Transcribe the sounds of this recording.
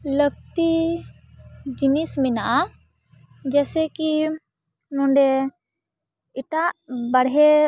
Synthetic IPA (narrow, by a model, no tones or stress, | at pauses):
ləɡ̚t̪i | d͡ʒinisminaʔa | d͡ʒɛsɛki | nɔ̃ɳɖɛ | iʈaʔbaɽɦɛ